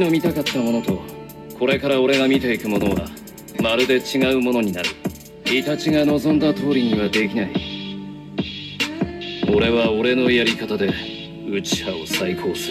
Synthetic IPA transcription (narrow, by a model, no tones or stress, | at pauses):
ino̞mʲit̪akat̪ːamo̞no̞t̪o̞ | kʰo̞ɾe̞kaɾao̞ɾe̞ɡamʲit̪e̞ikɯ̟mo̞no̞ɡa̰ | maɾɯ̟d̪e̞t͡ɕiɡaɯ̟mo̞no̞ɲ̟inaɾɯ̟ | it̪at͡ɕiŋano̞zõ̞nd̪at̪o̞ːɾʲiɲ̟iβ̞ad̪e̞kʲinai | o̞ɾe̞βao̞ɾe̞no̞jaɾʲikat̪ad̪e̞ | ɯ̟t͡ɕi̥hao̞saikʰo̞ːsɨɾ